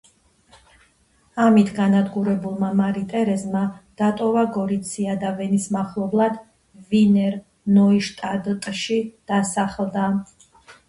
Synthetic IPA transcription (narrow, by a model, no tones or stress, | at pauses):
amit̪ʰɡanad̪ɡuɾɛbulˠmamaɾit̪ʼɛɾɛzmad̪̥at̪ʼɔvaɡɔɾit̪sʰiad̪avɛnismaχlˠɔblˠad̪̥ | vinɛɾ | nɔiʃt̪ʼad̪t̪ʼʃid̪̥asaχlˠd̪a